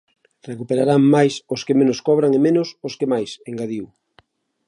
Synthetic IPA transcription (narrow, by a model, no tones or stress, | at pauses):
rekupeɾaɾaŋmajsoskemenoskɔβ̞ɾaŋemẽnʊsoskemajseŋɡaðiw